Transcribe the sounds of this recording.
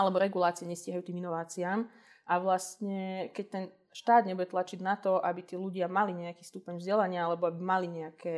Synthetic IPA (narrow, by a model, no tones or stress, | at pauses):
alɛbɔɾɛɡulaːt͡siɛɲɛsciːɦajuːt̪iːminɔʋaːt͡siaːm | ʔaʋlast̪ɲɛkɛc̚t̪ɛn | ʃt̪aːd̪ɲɛbujɛt̪lat͡ʃid̪nat̪ɔʔabit̪iːluɟɪamaliɲɛakiːst̪upɛɲvzɟɛlaɲɪaalɛbɔabimaliɲɛakʰɛː